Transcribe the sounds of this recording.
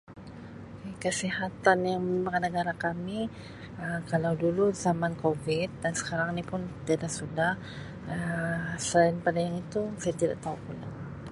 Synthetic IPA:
kekəsihat̪anjaŋməmaknəɡaɾakami | əkalawduluzamankovɪt̪̚dansə̥kaɾaŋnipʊnt̪adahsudah | əsəlanpadajaŋit̪usajat̪ida̰ʔt̪aukula̰

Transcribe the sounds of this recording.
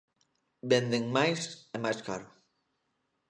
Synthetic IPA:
bend̪eŋmajsemajska̰ɾo

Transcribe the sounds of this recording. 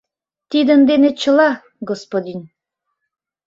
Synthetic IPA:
t̪id̪ənd̪enet͡ɕə̆lɑ | ɡospod̪in

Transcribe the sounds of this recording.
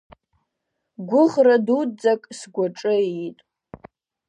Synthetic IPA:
ɡʷʊʁradud͡zakʼsɡʷaʈ͡ʂʼɨitʼ

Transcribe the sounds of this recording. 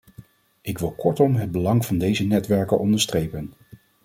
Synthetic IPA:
ʔɪkʋɪlˠkɔɹtɔmɦəd̚bəlɑŋv̥ɑndejzənɛtʋɛɹkənʔɔndəɹstrejpən

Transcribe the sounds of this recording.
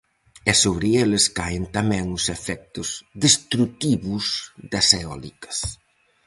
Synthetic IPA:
ɛsoβɾɪeleskaɪnt̪amɛ̃ŋʊsefɛk̚t̪ʊz̥ðest̪ɾut̪iβʊzðɐseɔlḭkɐ̥s

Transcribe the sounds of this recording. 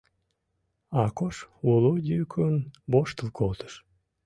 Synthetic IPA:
ɑkoʃulˠud̪ʲykʰunboʃt̪əlkʰolˠt̪ə̥ʃ

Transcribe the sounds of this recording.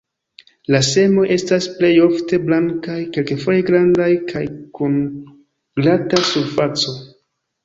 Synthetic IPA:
lase̞mo̞ʔe̞stasple̞jo̞fte̞blaŋkajke̞lkefo̞je̞ɡɾandajkʰajkun | ɡlatasuɾfat͡so̞

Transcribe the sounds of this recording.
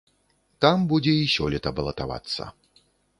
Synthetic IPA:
t̪ambud͡zʲɛiɕʲɔlʲɛt̪ɐbɐlˠɐt̪ava̰t̪sːɐ̰

